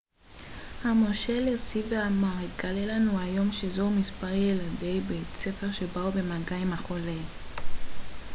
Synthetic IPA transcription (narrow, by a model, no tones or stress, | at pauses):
hamo̞ʃelosiveamaʁeɡalelanuajo̞mʃezomispaʁjeladejbet͡sefeʁʃebaube̞maɡaimaχo̞le